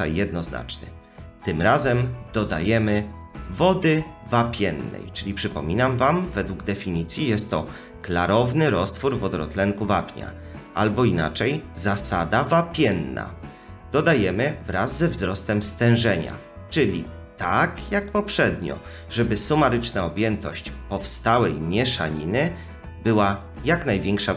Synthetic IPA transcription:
a̰jjɛd̪nɔzna̰t͡ʂnɘ̰ | t̪ɘmɾazɛmd̪̥ɔd̪a̰jɛmɘvɔd̪ɘvapʲjɛnːɛ̰jt͡ʂɘlʲipʂɘpɔmʲinamvamvɛd̪wuɡd̪ɛfʲiɲit̪sʲjijɛst̪ːɔ | klaɾɔvnɘɾɔst̪fuɾvɔd̪ɔɾɔ̰t̪lɛŋkuva̰pʲɲa̰ | albɔina̰t͡ʂɛjzasad̪avapʲjɛnːa̰ | d̪̥ɔd̪ajɛmɘvɾazːɛvzɾɔst̪ɛmst̪ɛ̃w̃ʐɛɲa̰ | t͡ʂɘlʲḭ | t̪akjak̚pɔpʂɛd̪ɲɔ̰ | ʐɛbɘsumaɾɘt͡ʂnaɔbʲjɛnt̪ɔɕt͡ɕpɔfst̪awɛjmʲjɛʂa̰ɲinɘ | bɘwa | jaknajvʲjɛŋkʂa

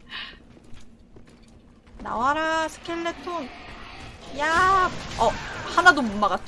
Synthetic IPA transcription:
na̰waɾasʰɯ̥kʰeɭːetʰoŋ | ja | ʌhanadomumːaɡat͡ɕ

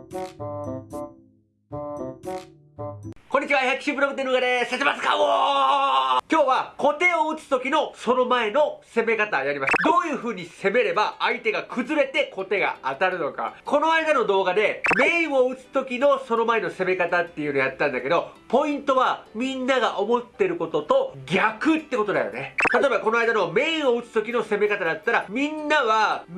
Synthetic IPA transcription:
koɲ̟ːit͡ɕiβaçakʲːi̥ɕipːɯɾokɯ̟t̪ːenokad̪e̞set̪emasɨ̥ka̰o | kʲo̞ːβako̞t̪e̞oɯ̟t͡sɨ̥t̪o̞kʲinoso̞no̞mae̞no̞se̞me̞kat̪ajaɾʲimasɨ̥d̪o̞ːjɯ̟ːɸɯ̟ːɲ̟ise̞me̞ɾe̞baːit̪e̞ɡakʰɯ̟zɨɾe̞t̪e̞ko̞t̪e̞ɡa̰at̪aɾɯ̟no̞ka̰ko̞no̞aid̪ano̞d̪o̞ːɡad̪e̞me̞ĩɰ̃o̞ɯ̟t͡sɨ̥t̪o̞kʲino̞so̞no̞mae̞no̞se̞me̞kat̪at̪ːe̞jɯ̟ɯnojat̪ːãnd̪ake̞d̪o̞po̞ĩnt̪o̞βamʲĩnːaɡaʔo̞mo̞t̪ːe̞ɾɯ̟ko̞t̪o̞t̪o̞ɡʲakɯ̟t̪ːe̞kot̪o̞d̪a̰jo̞̰ne̞t̪at̪o̞ebako̞no̞ajd̪ano̞me̞ĩɰ̃o̞ɯ̟t͡sɨ̥t̪o̞kʲino̞se̞me̞kat̪ad̪at̪ːaɾamʲĩnːaβa

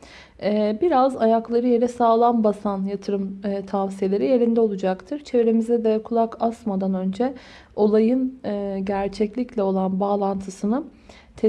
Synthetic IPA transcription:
ɛːbiɾazajaklˠaɾɯje̞ɾɛsaːlˠanbasanjat̪ʰɯɾɯmːt̪ʰavsije̞lʲe̞ɾije̞ɾind̪ɛo̞lˠud͡ʒakt̪ʰɯɾ̥t͡ʃʰe̞viɾe̞mizɛd̪ɛkʰulˠakʰasmad̪anø̞nd͡ʒɛ | o̞lˠajɯnɯɟæɾt͡ʃʰɛclʲiclʲɛo̞lˠanbaːlˠant̪ʰɯsɯnɯ | t̪ʰɛ

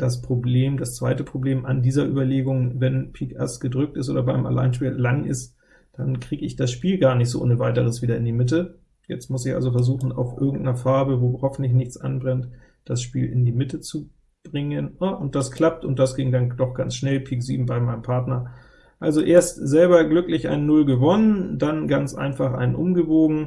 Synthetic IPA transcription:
d̥aspʁ̥obleːmdast͡sv̥aɪtəpʁ̥obleːmandiːzɐʔy̰ːbɐleːɡʊŋvɛnpʰiːkʔasɡ̥ədʁʏk̚tɪstʔo̰ːdɐbaɪma̰la̰ɪnʃpiːllaŋʔɪ̰st | d̥ankʁ̥iːɡəɪçd̥asʃpiːlɡaːɐnɪçtz̥o̰ʔo̰ːnəvaɪtəʁəsv̥iːdɐɪndiːmɪt̬ə | jɛ̰t͡stmʊsɪçʔa̰lzofɛɐzuːxn̩a̰ʊfʔɪ̰ɐɡŋ̩tnɐfaɐbəvoːhɔfn̩tlɪç̬nɪçt͡sʔa̰nbʁɛnt | d̥asʃpḭːlɪ̰ndiːmɪtət͡su | b̥ʁɪŋənaʔʊnt̚d̥askʰl̥ap̚tʊntd̥asɡ̥ɪŋdand̥ɔχɡ̥ant͡sʃnɛlpʰiːkz̥iːbm̩baɪmaɪnəmpʰaɐtnɐ | ʔalzoʔeːɐstz̥ɛlbɐɡlʏklɪçʔa̰ɪnnːʊlɡəvɔnəndanɡant͡sʔa̰ɪnfaχʔa̰ɪnnʔʊmɡəvoːɡŋ̩

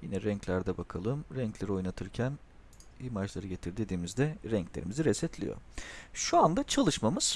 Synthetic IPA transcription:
jinɛɾɛɲclʲæɾd̪ɛbakʰalˠɯmɾɛɲclʲe̞ɾio̞jnat̪ʰɯɾcʰæn | imaʒlˠaɾɯɟe̞t̪ʰiɾd̪ed̪iːmizd̪ɛɾɛɲclʲe̞ɾḭmiziɾɛsɛt̪lʲḭjo̰ʃuand̪at͡ʃʰalˠɯʃmamɯz̥

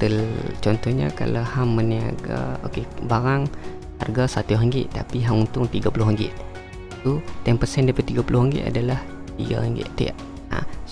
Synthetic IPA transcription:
t̪əlt͡ʃɔnt̪ɔɲa̰ka̰lahamːənia̰ɡa̰okebaɾaŋ | ha̰rɡasat̪uɦəŋɡɪ̰ʔt̪a̰piɦaŋunt̪ʊŋt̪iɡapulʊɦəŋɡɪ̰ʔ | sut̪ɛmpərsɛndapait̪iɡapulʊhɦəŋɡɪ̰ʔ̪a̰dalah | t̪ḭɡa̰həŋɡɪ̰ʔt̪ḭa̰ʔ | a̰

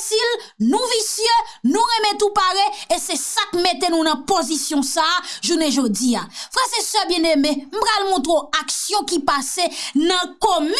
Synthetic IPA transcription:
silnũvisjønũɣɛmɛ̃t̪upaɣeesesakmet̪enũnɐ̃pozisjɔ̃saʒunɛ̃ʒod͡ziafʁɛsesœbjɛ̃d̪emɛ̃m̩pɣalmɔ̃t̪̬ɾoaksjɔ̃kipasenɐ̃kɔm

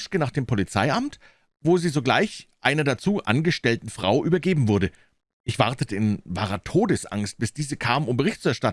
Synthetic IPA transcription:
ʃkənaːχd̥eːmpʰɔlit͡sa̰ɪʔamt | voːziːzoːɡlaɪçʔaɪnɐdat͡suːʔa̰nɡəʃtɛltn̩fʁ̥a̰ʊʔyːbɐɡeːbm̩vʊɐdə | ʔɪçv̥a̰ɐtətəɪnva̰ːʁɐtʰoːdəsʔa̰ŋst̚b̥ɪsd̥iːzəkʰaːməmʊmbəʁɪçtt͡suɛɐʃtat

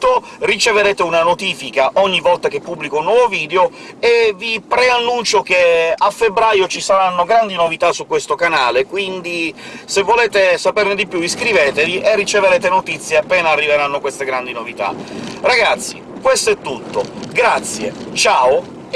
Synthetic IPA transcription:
o | rit͡ʃeveɾeːt̪eunanot̪iːfikaʔɔɲːivːɔlt̪ak̟epːubːlikounːwɔːvoviːd̪eo | evipɾeanːunt͡ʃokeafːebɾaːjot͡ʃisaɾanːoɡɾand̪inovit̪asukwest̪okanaːlekwind̪i | sevːoleːt̪esaperned̪ipjuiskɾiveːt̪eviʔerːit͡ʃeveɾeːt̪enot̪it̪sːjeapːɛːnaːrːiveɾanːokwest̪eɡɾand̪inovit̪a̰raɡat̪sːḭkwest̪oɛt̪ːut̪ːo̰ɡɾat̪sːjḛt͡ʃaːo

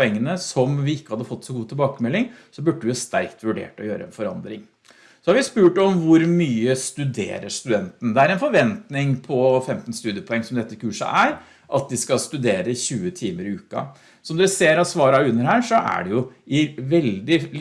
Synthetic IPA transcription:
ɛŋːənəsɔmʋɪɪkːəhɑd̪ːəfɔt̪ːsɔɡuːt̪ʰɪlbɑːkəmɛlːɪŋsɔbʉɖːəʋɪhɑst̪æɾkt̪ʋʉɖḛːʈɔ̰jøːɾəɛ̰nfɔɾɑnd̪ɾɪŋ | sɔhɑɾʋɪspʉːʈɔmʋʊɾmyːəst̪ʉd̪ḛːɾəʂt̪ʉd̪ɛnt̪n̩d̪ɛæɾɛnfɔɾʋɛnt̪nɪŋpʰɔfɛmt̪n̩st̪ʉːd̪ɪəpʰɔɛŋːsɔmd̪ɛt̪ːəɪkʉːʂə̰ʔæɾ | ʔɑt̪̚d̪ɪskɑlst̪ʉd̪eːɾəçʉːət̪ʰiːməɾɪʉːkɑ̰ | sɔmd̪ɛseːɾɑsʋɑːɾɑʉnːəɾhæːɾʂɔʔæ̰ɖɛjʊɪʋɛld̪ɪ

